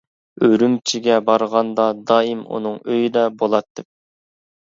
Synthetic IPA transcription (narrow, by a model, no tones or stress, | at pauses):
øɾymt͡ʃʰiɡʲɛbɑɾʁɑnd̪ɑd̪ɑːimṵnɨŋøjd̪ɛbolˠɑt̪ːɪp̚